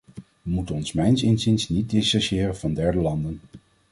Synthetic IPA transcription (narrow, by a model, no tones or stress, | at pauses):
ʋəmutənɔnsmɛjnsɪnzinsnit̚dɪsaʃɪːrənvɑndɛɹdəlɑndən